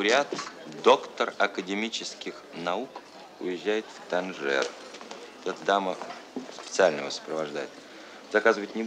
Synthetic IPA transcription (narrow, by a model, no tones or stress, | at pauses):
ɾʲat̪d̪o̞kt̪ərɐkədʲɪmʲit͡ɕɪskʲɪxnɐuk | ʊ̰jɪʑːæjɪt̪ft̪ɐnʐɛ̰r | ɛt̪ɛt̪əd̪aməspʲɪ̥t̪sɨalʲnəvəsə̥pɾəvɐʐd̪a̰jɪt̪ | zɐkazɨvəɪt̪ʲnʲɪ